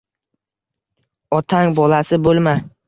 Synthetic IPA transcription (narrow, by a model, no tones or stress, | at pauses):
ɒt̪ʰaŋbɒlasɪbolˠma